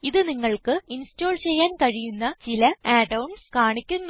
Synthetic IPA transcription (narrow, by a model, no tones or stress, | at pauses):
iðɨniŋːɐɭkɨinsto̞ːlt͡ɕe̞jːaːnkɐɻijunːɐt͡ɕilɐaːɖɐwɳɖskaːɳikʲːunː